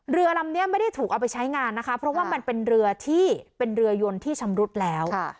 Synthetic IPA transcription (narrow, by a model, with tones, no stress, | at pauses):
ɾɯ˧ɐla˧mni˦˥ɐma˥˩jda˥˩jt̪ʰuː˨˩kʔa˧wpa˧jt͡ɕʰa˦˥jŋaː˧nː˦˥kʰa˦˥pʰɾɔ˦˥waː˥˩ma˧npe˧nɾɯ˧ɐt̪ʰiː˥˩pe˧nɾɯ˧ɐjo˧nt̪ʰiː˥˩t͡ɕʰa˧mɾu˦˥t̪̚lɛː˦˥wʰ